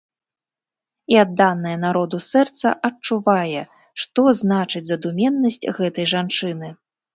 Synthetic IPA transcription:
iad̪ːanːɐjɐnaɾɔd̪usɛrt̪sɐ̰ʔɐt͡ʂuvajɛ | ʂt̪ɔznat͡ʂɨd͡zʲzɐd̪umʲɛnːɐsʲt͡sʲɣɛt̪ɐjʐant͡ʂɨnɨ

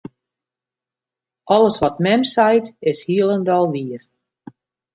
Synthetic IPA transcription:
ʔɔlˠəsʋɔtmɛmsɛjtɪshiəlˠəndɔlˠʋiər

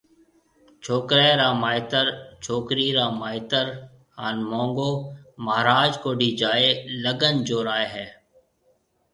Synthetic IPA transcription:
t͡ʃʰoːkɾeːɾaːmaːɪt̪əɾt͡ʃʰoːkɾiːɾaːmaːɪt̪əɾ | ha̰ːnmõːŋɡoːməɦɾaːd͡ʒkoːɖiːd͡ʒaːeːləɡənd͡ʒoːɾaːeːɦɛː

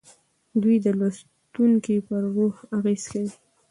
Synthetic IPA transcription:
d̪ujd̪əlas | t̪uŋkipəɾɣoxaɣez̥kawi

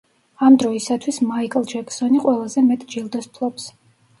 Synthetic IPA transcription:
amd̪ɾɔisat̪ʰwismaikʼlˠd͡ʒɛksɔniqʼwɛlˠazɛmɛt̪ʼd͡ʒilˠd̪ɔspʰlˠɔps

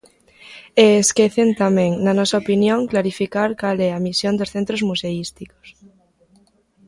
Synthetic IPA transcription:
eːskeθent̪amẽŋnanosaopinjõŋklaɾifikaɾkalɛamisjond̪osθent̪ɾozmuseist̪iko̥s

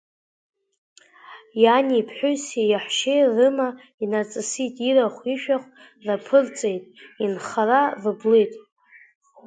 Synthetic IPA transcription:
janipʰħʷᶣʊsijaħʷʃejrɨma | inat͡sʼɨsitʼiɾaχʷiʃᶣaχʷ | rapʰɨrt͡sʼe̞jtʼinχararɨblejtʼ

